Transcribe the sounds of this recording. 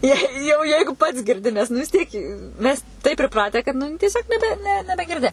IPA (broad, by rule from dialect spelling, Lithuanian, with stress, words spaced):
ˈjɛɪ jɛʊ ˈjɛɪɡʊ pɐts ɡʲɪrʲˈdʲɪ nʲɛs nʊ ʋʲɪs ˈtʲiɛk ɪ ˈmʲɛs tɐɪp pʲrʲɪˈprɑːtʲæː kɐt ˈnʊ tʲiɛˈsʲoːk nʲɛˈbʲɛ nʲɛ nʲɛbʲɛɡʲɪrʲˈdʲɪ